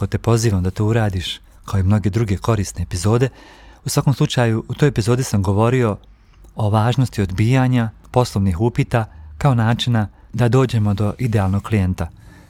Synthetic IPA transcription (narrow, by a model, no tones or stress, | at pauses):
ko̞t̪epo̞ziːʋamd̪at̪oːuɾaːd̪iʃ | kaoimno̞ɡe̞d̪ɾuɡe̞ko̞ɾiːsne̞epizo̞ːd̪e̞ | usʋako̞mslˠut͡ʃaːjuut̪ojepizo̞ːd̪isamɡo̞ʋo̞ɾio̞ | oʋaːʒno̞st̪io̞d̪biːjaɲapo̞slˠoʋnixupit̪akaonaːt͡ʃinad̪ad̪o̞ːd͡ʑe̞mo̞d̪o̞ʔid̪eaːlˠno̞ɡ̥̚klije̞nt̪a